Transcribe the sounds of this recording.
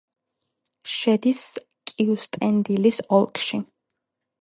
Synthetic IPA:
ʃɛd̪is | kʼiust̪ʼɛnd̪ilisɔlˠkʼʰʃi

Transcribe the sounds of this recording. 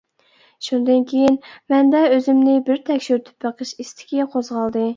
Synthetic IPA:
ʃund̪ɨnkʲʰejinmɛnd̪ɛøzɪmnɪbɪɾt̪ʰɛkʲʃyɾt̪ʰy̥pəqʰəʃist̪ʰɪ̥kʲiqʰozʁɑlˠd̪ɨ

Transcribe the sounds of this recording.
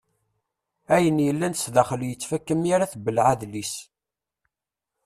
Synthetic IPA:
æjənjəlːænəsðæχəljət͡sːfækːəmjaɾaθbəlʕaðlis

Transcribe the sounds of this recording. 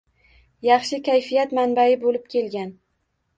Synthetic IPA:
jɑχʃɪkʲʰajfijat̪manbaɪbolɪp̚kʲʰe̞lɡʲan

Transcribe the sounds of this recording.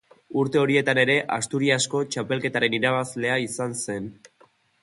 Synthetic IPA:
uɾt̪e̞o̞ɾie̞t̪ane̞ɾe̞ʔast̪uɾiasko̞t͡ʃape̞lke̞t̪aɾe̞niɾaβazle̞aisanse̞n

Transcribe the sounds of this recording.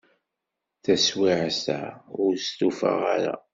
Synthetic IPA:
θæswiʕsæʊɾst̪ufa̰ʁaɾa̰

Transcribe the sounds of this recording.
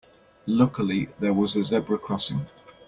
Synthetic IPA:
lʊkəliðəwɒzəzɛbɹəkʰɹ̥ɒsɪ̰̃ŋ

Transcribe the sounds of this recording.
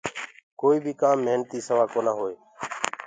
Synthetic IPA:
koːiːbʱiːkaːmːəɦnt̪iːsəʋaːkoːnaːɦoːeː

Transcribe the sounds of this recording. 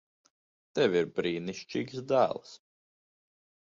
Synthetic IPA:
t̪ɛvʲiɾbɾiːniʃt͡ʃiːɡsd̪æ̰ːlˠs

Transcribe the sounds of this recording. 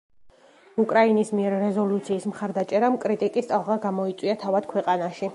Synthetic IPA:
ukʼɾainismiɛɾːɛzɔlut̪sʰiːsmχaɾd̪at͡ʃʼɛɾamkʼɾit̪ʼikʼist̪sʼalˠʁaɡamɔit̪sʼwiat̪ʰavad̪̥kʰwɛqʼanaʃi

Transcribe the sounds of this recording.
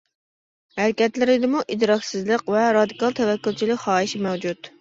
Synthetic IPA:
hæɾkʲɛt̪lɪɾɪd̪ɪmuʔid̪ɾɑkʲsɨzlˠəqvɛɾɑd̪ikɑlˠt̪ʰɛvɛkʲːylt͡ʃʰilɪkʲχɑːiʃimɛwd͡ʒut̪

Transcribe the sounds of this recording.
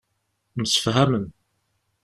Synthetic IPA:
məsə̥fɦæmən

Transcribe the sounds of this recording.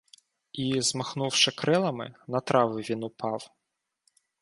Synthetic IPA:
izmɐxnuwʂɪkɾɪlˠɐmɪ̰nɐt̪ɾɑʋɪʋʲinupɑw

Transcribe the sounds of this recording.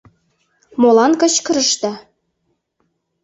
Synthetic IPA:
molɑnkɤ̆t͡ɕkə̆ɾə̆ʃt̪ɑ

